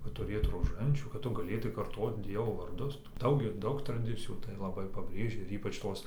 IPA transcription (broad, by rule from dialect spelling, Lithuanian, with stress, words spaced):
kɐt tʊˈrʲeːt roːˈʒɐnʲt͡ʃʲuː kɐt ˈtʊ ɡɐˈlʲeːtɐɪ kɐrˈtoːt ˈdʲiɛʋoː ʋɐrˈdʊs ˈdɐʊk ɪr ˈdɐʊk trɐˈdʲɪt͡sʲɪjuː tɐɪ lˠɐˈbɐɪ pɐˈbʲrʲeːʒʲɛ ɪr ˈiːpɐt͡ʃ ˈtoːs